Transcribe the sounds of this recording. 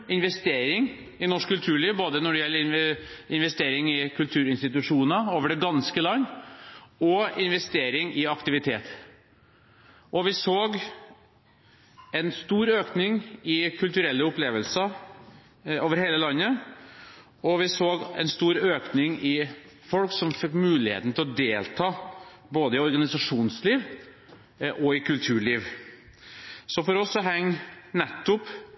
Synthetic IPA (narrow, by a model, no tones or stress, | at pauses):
ɪnʋɛst̪eːɾɪŋ | ɪnɔʂkːʉlt̪ʰʉːɭiːʋboːd̪ənɔɖɛjɛlːəɾɪnɪnʋɛst̪eːɾɪŋɪkʰʉlt̪ʰʉːɾɪnst̪ɪt̪ʉʂuːnəoːʋəɖɛɡɑnskəlɑnː | ɔɪnʋɛst̪eːɾɪŋɪɑkt̪ɪʋɪt̪ʰḛːt̪ | ʔɔʋɪsoːɡ | ɛnst̪uːɾøːknɪŋɪkʰʉlt̪ʉɾɛlːəʊpleːʋəlsə | oːʋəɾheːləlɑnːə | ɔʋɪsoːɡɛ̰nst̪uːɾøːknɪŋɪ | fɔlksɔmfɛkːmʉːlɪhḛːt̪n̩t̪ɪlɔd̪eːlt̪ʰɑː | boːd̪əɪɔɾɡɑnɪsɑʂuːnsliːʋ | ʔɔɪkʰʉlt̪ʰʉːɭiːʋ | sɔfɔɾɔsːɔɦɛŋːnɛt̪ːʊp